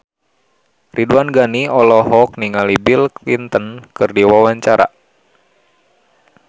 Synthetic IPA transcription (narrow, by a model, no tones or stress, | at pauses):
rʔiduanɡaniɔlɔɦɔk̚niŋalibilklint̪ənkɨrdiwawaɲt͡ʃaɾa̰